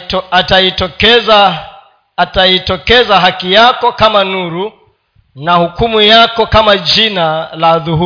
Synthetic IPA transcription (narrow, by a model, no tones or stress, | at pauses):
atajitɔkɛza | tajitɔkɛzaɦakijakɔkamanuɾu | nahukumujakɔkamad͡ʒinalaðuɦu